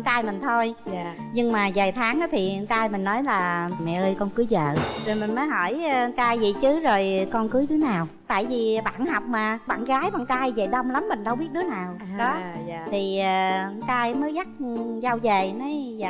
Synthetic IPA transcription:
ŋt̪aː˧jmï˨˩ŋ̟t̪ʰo˧j | ɲɨ˧ŋmaː˨˩zaː˨˩jt̪ʰaː˨˦ŋʔaː˨˦t̪ʰi˨˩˧nt̪aː˧jmi˨˩ŋ̟nɔ˨˦jlaː˨˩mɛ̰˧˨ʔəː˧jkɔ˧nkɨ˨˦jzə̰ː˧˨zo˨˩jmï˨˩ŋ̟məː˨˦jɦɔ˧˩jk̪aː˧jzḭ˧˨t͡ɕɨ˨˦zo˨˩jkɔ˧nkɨ˨˦jt̪ɨ˨˦naː˨˩w | t̪a̰ː˧˨jvi˨˩ɓa̰ː˧˨nha˨˩wk͡p̚maː˨˩ɓa̰ː˧˨nɣaː˨˦jɓa̰ː˧˨˩nkaː˧jvə˨˩ɗə˧wŋ͡mla˨˦mːï˨˩ŋ̟ɗə˧wɓi˦˥ət̚ɗɨ˨˦ənaː˨˩wɗɔ˨˦˧t̪ʰi˨˩əː˩˧ŋk̪aː˧jməː˨˦jɣa˦˥k̚za˧wzəː˨˩na˨˦za̰ː˧

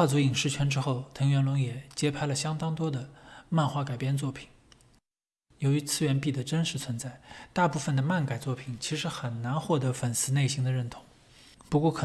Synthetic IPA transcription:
a˥˩t͡su˧˥i˨˩ŋʂɻ̩˥˩t͡ɕʰɥɛ˧˥nʈ͡ʂɻ̩˥xo˥˩ʊt̪ʰɤ˧˥ŋɥɛ˧˥nlʊ˧˥ŋjɛ˨˩t͡ɕjɛ˥pʰa˥ɪlə˨ɕjɑ˥ŋt̪ɑ˥ŋt̪wɔ˥d̪ə˨ma˥˧nxwa˥˩ka˨˩ɪpjɛ˥nt͡swɔ˥˩pʰi̥˨˩˦n | jo˧˥ʊy˧˥t͡sʰɹ̩˥˩ɥɛ˧˥npi˥˩d̪ə˩ʈ͡ʂə˥nʂɻ̩˧˥t͡sʰwə˧˥nt͡sa˥˩ɪt̪a˥˧pu˥˩fə˩nd̪ə˩ma˥˩nka˨˩ɪt͡swɔ˥˩pʰi˨˩nt͡ɕʰi˧˥ʂɻ̩˧˥xə˨˩nna˧˥nxwɔ˥˩t̪ɤ˧˥fə˨˩nsɹ̩˧˥ne˥˩ɪɕi˧˥ŋd̪ə˧ɻə˥˩nt̪ʰʊ̥˧˥ŋ | pu˧˥kwɔ˥˩kʰɤ˨˩

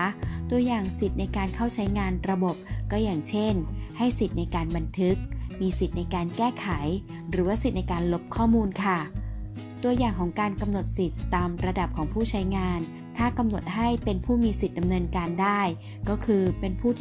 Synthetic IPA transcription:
t̪u˧ɐjaː˨˩ŋsi˨˩t̪̚na˧jkaː˧nkʰa˥˩wt͡ɕʰa˦˥jŋaː˧nɾa˧bo˨˩p̚kɔː˥˩jaː˨˩ŋt͡ɕʰe˥˩nha˥˩jsi˨˩t̪̚na˧jkaː˧nba˧nt̪ʰɯ˦˥k̚miː˧si˨˩t̪̚na˧jkaː˧nkɛː˥˩kʰa˩˦j | ɾɯː˩˦waː˥˩si˨˩t̪̚na˧jkaː˧nlo˦˥p̚kʰɔː˥˩muː˧nkʰa˥˩ | t̪u˧ɐjaː˨˩ŋkʰɔː˩˦ŋkaː˧nka˧mno˨˩t̪̚si˨˩t̪ːaː˧mɾa˧da˨˩p̚kʰɔː˩˦ŋpʰuː˥˩t͡ɕʰa˦˥jŋaː˧n | t̪ʰaː˥˩ka˧mno˨˩t̪̚ɦa˥˩jpe˧npʰuː˥˩miː˧si˨˩t̪̚da˧mnɤː˧nkaː˧ndaː˥˩j | kɔː˥˩kʰɯː˧pe˧npʰuː˥˩t̪ʰ

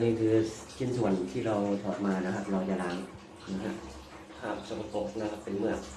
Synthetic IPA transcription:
niː˥˩kʰɯː˧ | sʰi˥˩nsu˨˩˦ənt̪ʰiː˥˩ɾa˧wt̪ʰɔː˩˦t̪̚maː˧na˦˥kʰa˦˥p̚ɾa˧wt͡ɕaː˧˩ɾaː˨˧˥ŋ | na˦˥˩kʰa˦˥ | kʰa˦˥˩p̚so˨˧˩pʰa˧po˨˩k̚sna˦˥kʰa˦˥pːe˧nmɯ˥˩ɐ

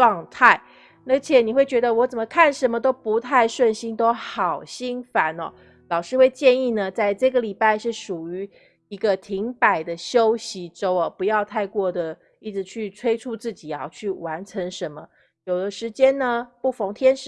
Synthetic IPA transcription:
ɑ˥˧ŋt̪ʰa˥˩ɪ | na˥˩t͡ɕʰjɛ˨˩˦ni˨˩xwe˥˩ɪt͡ɕɥɛ˧˥d̪ə˧wɔ˧˥t͡sə˨˩mə˩˦kʰa˥˩nʂə˧˥nmə˧t̪̬o˥ʊpu˧˥t̪ʰa˥˧ɪʂwə˥˩nɕi˥nt̪o˥ʊxɑ˨˩ʊɕi˥ŋfa˧˥nɔ̰˧˦ | lɑ˨˩ʊʂɻ̩˥˧xwe˥˧ɪt͡ɕjɛ˥˧ni˥˩nə˩t͡sa˥˧ɪʈ͡ʂɤ˥˩ɡə˩li˨˩pa˥˧ɪʂɻ̩˥˩ʂu˨˩y˧˥ | i˧˥ɡə˧t̪ʰi˧˥ŋpa˨˩ɪd̪ə˦ɕjo˥ʊɕi˧˥ʈ͡ʂo˥ʊɐ˨˩pu˧˥jɑ˥˧ʊt̪ʰa˥˧ɪkwɔ˥˩d̪ə˩ | i˥˩t͡sɻ̩˧˥t͡ɕʰy˥˩t͡sʰwe˥ɪʈ͡ʂʰu˥˧t͡sɹ̩˥˩t͡ɕi˨˩ɐ˧˦t͡ɕʰy˥˩wa˧˥nʈ͡ʂʰə˧˥ŋʂə˧˦nmə˧ | jo˨˩ʊd̪ə˦ʂɻ̩˧˥t͡ɕjɛ˥nnə˨pu˥˩fo˧˥ŋt̪ʰjɛ˥nʂ

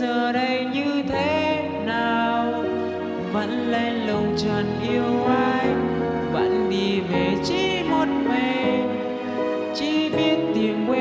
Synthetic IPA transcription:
əː˨˩ɗə˧jɲɨ˧t̪ʰe˨˦ | naː˨˩w | və̰˧˥nla˧˨ŋlə˨˩wŋ͡mt͡ɕəː˨˩nʔi˧əwʔaː˧j | və̰˧˥nɗi˨˩ve˨˩t͡ɕi˧˥ | mo˧t̚me˨˩ | t͡ɕi˧˥ɓi˦˥ət̚t̪i˨˩əmkwɛ˧

